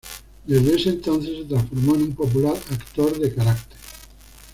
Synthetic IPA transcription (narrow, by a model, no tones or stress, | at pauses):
d̪ezðeesent̪onθeset̪ɾasfoɾmoenumpop̬ulaɾakt̪oɾðekaɾakt̪e̥ɾ